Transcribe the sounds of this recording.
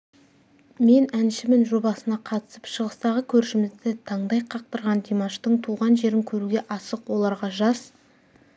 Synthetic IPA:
me̞nænʃɪmɪnʒo̞bɑsənɑqʰɑt̪ə̥səpʃəʁəst̪ɑʁəkʲʰɵɾʃɪmɪzd̪ɪt̪ʰɑɴd̪ɑjqʰɑq̚t̪əɾʁɑnd̪emaʃt̪əɴt̪ʰuʁɑnʒe̞ɾɪŋkʲʰɵɾuɡʲe̞ʔɑsəqwo̞lˠɑɾʁɑʒɑz

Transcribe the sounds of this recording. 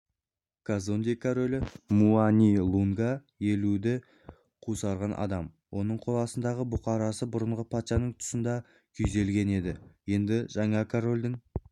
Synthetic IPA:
kʰazond̪ijkʰaɾo̞lʲɪmuanʲilˠuŋɡɑ | jelud̪ɪ | qʰusɑɾʁɑnʔɑ̰d̪ɑm | wʔo̞nəɴqʰo̞lˠɑsənd̪ɑʁəbʊqɑɾɑsəbʊɾəɴʁəpʰɑt̪ʃɑnəɴt̪ʰʊ̥sənd̪ɑ | kʲʰʏze̞lɡʲe̞ne̞d̪ɪje̞nd̪ɪʒɑɴɑkʰaɾo̞lʲd̪ɪŋ

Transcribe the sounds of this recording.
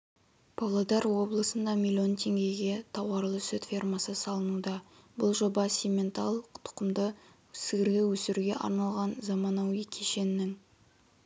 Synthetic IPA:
pʰɑlˠɑd̪ɑɾwo̞blˠəsənd̪ɑmʲilʲːio̞nt̪ʰe̞ŋɡʲe̞jɡʲe̞t̪ʰɑwɑɾlˠəsɵt̪fʲirmɑsəsɑlˠənud̪ɑ | bʊlˠʒo̞bɑsimʲe̞nt̪ɑlˠəqt̪ʰʊ̥qəmd̪ə | sɪɡʲɪɾɡʲɪwɵsɪɾuɡʲe̞ʔɑ̰ɾnɑlˠʁɑnzɑmɑnɑwijkʲʰe̞ʃe̞nːɪŋ

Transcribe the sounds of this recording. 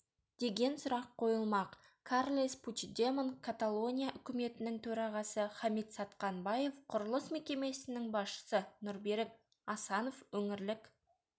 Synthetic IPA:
d̪̥e̞ɡʲe̞nsʊɾɑqʰːo̞jəlˠmɑq | kʰarlʲˠesput͡ʃd̪emənkʰat̪alˠo̞nʲijaʔʏkʲɪme̞t̪ɪnɪŋt̪ʰɵɾɑʁɑsəχɑmit̪sɑt̪qɑnbɑje̞fqʰʊɾəlˠəsme̞kʲe̞me̞sɪnɪŋbɑsʃə̥sənʊɾbe̞ɾɪk̚ | ɑsɑno̞fwɵŋɪɾlɪk

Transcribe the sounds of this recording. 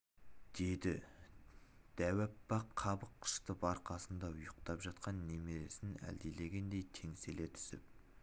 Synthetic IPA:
d̪̥e̞d̪ɪ | d̪̥æwæpːɑqʰːɑbəqʰːə̥ʃt̪əbɑɾqʰɑsənd̪ɑʊjəqt̪ɑpʒɑt̪qɑnːe̞meɾe̞sɪnæ̰ld̪ele̞ɡʲe̞nd̪e̞jt̪ʰe̞ŋse̞le̞t̪ʰʏ̥sɪ̰p̚

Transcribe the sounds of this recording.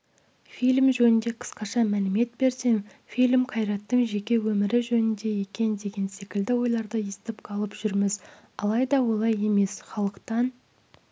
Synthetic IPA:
filʲmʒɵnɪnd̪e̞qʰə̥sqɑʃɑmælɪme̞t̪̚be̞ɾse̞ŋ | fijlʲmqʰɑjɾɑt̪ːəɴʒe̞kʲe̞wɵmɪɾɪʒɵnɪnd̪e̞je̞kʲe̞nd̪e̞ɡʲe̞nse̞kʲɪld̪ɪwo̞jlˠɑɾd̪əest̪ɪpqʰɑlˠəpʒ̥ʏɾmɪz | ɑlˠɑjd̪ɑwo̞lˠɑje̞me̞sχɑlˠəqt̪ɑn

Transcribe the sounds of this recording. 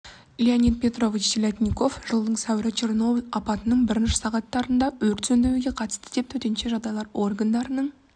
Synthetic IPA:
ilʲianʲit̪̚pʲe̞t̪ro̞vit͡ʃsilʲat̪ʲnʲiko̞fʒ̥əlˠd̪əɴsæwɪɾɪt͡ʃʰerno̞blʲɑpɑt̪ənəɴbɪɾɪnʃɪ̥sɑʁɑt̪ːɑɾənd̪ɑwɵɾt̪sɵnd̪ewuɡʲe̞qʰɑt̪ə̥st̪əd̪e̞p̚t̪ʰɵt̪e̞nʃe̞ʒɑd̪ɑjlˠɑɾo̞rɡand̪ɑɾənəɴ

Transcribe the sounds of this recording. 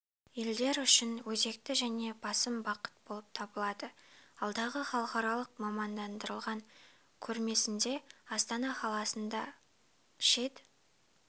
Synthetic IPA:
eld̪e̞ɾʏʃɪnwɵze̞kt̪ɪʒæne̞bɑsəmbɑqə̥t̪̚bo̞lˠəp̚t̪ʰɑbəlˠɑd̪əɑlˠd̪ɑʁəχɑlˠəqɑɾɑlˠəqmɑmɑnd̪ɑnd̪əɾəlˠʁɑŋ | kʲʰɵɾme̞sɪnd̪e̞ɑst̪ɑnɑχɑlˠɑsənd̪ɑ | ʃe̞d̪ɪ

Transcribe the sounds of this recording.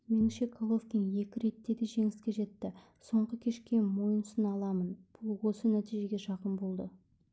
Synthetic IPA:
me̞nʃe̞kʰolˠofkʲinje̞kʲɪɾe̞t̪ːe̞d̪eʒe̞ŋɪskʲe̞ʒe̞t̪ːɪ | so̞ɴʁəkʲʰe̞ʃkʲe̞mo̞jənsənɑlˠɑmənb̥ʊlˠwo̞sənæt̪ijʒe̞ɡʲe̞ʃɑqənbo̞lˠd̪ə

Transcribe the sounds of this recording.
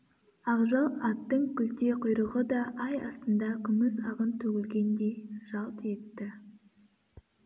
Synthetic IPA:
ɑʁʒɑlˠɑt̪ːəɴkʲʏlt̪e̞qʰʊjɾəʁəd̪ɑʔɑjɑ̰st̪ənd̪ɑkʲʰʏmɪzɑʁənt̪ʰɵkʲɪlɡʲe̞nd̪ejʒ̥ɑlˠt̪e̞t̪ːɪ

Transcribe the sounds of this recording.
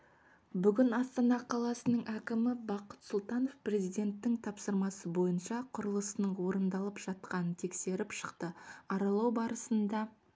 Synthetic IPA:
bʏɡʲɪnɑst̪ɑnɑqʰɑlˠɑsənəɴʔækʲɪmɪbɑqət̪sʊlˠt̪ɑno̞fpre̞zijd̪e̞nt̪ːɪŋt̪ʰɑpsəɾmɑsəbo̞jənʃɑqʰʊɾəlˠəsənəɴwo̞ɾənd̪ɑlˠəpʒ̥ɑt̪̚qɑnənt̪ʰe̞kse̞ɾɪpʃə̥qt̪əɑɾɑlˠɑwbɑɾəsənd̪ɑ

